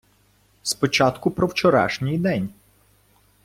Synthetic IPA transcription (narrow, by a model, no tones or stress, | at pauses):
spɔt͡ʃɑt̪kʊpɾɔwt͡ʃɔɾɑ̰ʃnʲijd̪ɛnʲ